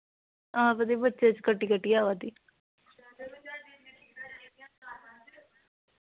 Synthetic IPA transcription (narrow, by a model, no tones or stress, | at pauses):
ãːbəd̪ebətːʃet͡ʃkəʈːiːkəʈːiːaːʋaːd̪iː